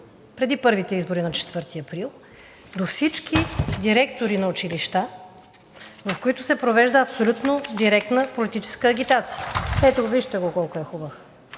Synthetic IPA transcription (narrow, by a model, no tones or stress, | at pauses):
pɾɛd̪ipɤɾvit̪ɛizboɾinɐt͡ʃɛ̥t̪v̥ɤɾt̪iɐpɾilˠ | d̪ofsit͡ʃkid̪iɾɛk̚t̪oɾinɐʊt͡ʃiliʃt̪a | vɐfkoit̪ʊsɛpɾovɛʒd̪əɐpsolʲut̪nod̪iɾɛk̚t̪nəpolit̪it͡ʃɛ̥skəːɡ̟ʲit̪at̪si̥jəɛt̪oɡoviʒt̪ɛɡokɔlˠkoɛxubəx